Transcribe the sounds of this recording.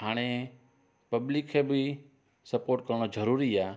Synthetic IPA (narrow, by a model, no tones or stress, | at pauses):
ɦaːɽ̃e | pɐblikʰebʱi | səpoːɾʈ̚kəɾɳ̃od͡ʒəɾuːɾia